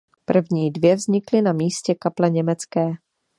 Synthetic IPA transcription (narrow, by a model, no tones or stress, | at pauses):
pr̩vɲiːdvjɛvzɲɪklɪnamiːscɛkaplɛɲɛmɛt͡skɛː